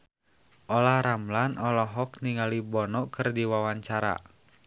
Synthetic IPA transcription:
ʔɔlahɾamlanʔɔlɔɦɔk̚niŋalibɔnɔʔkɨrdiwawaɲt͡ʃaɾa̰

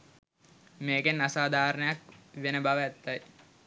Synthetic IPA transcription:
meːkenːasaːd̪ʱaːɾənəjakʋenəbaʋæt̪ːaj

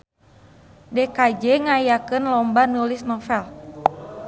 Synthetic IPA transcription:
dɛkad͡ʒɛŋajakɨnlɔmbanulisnɔfɛl

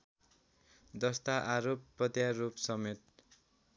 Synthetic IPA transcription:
d̪ʌst̪aʔaɾopːʌd̪jarupsʌmet̪̚

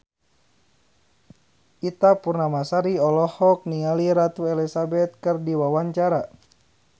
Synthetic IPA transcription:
ʔit̪apurnamasaɾiɔlɔhɔk̚niŋaliɾat̪uɛlisabɛt̪̚kɨrdiwawaɲt͡ʃaɾa

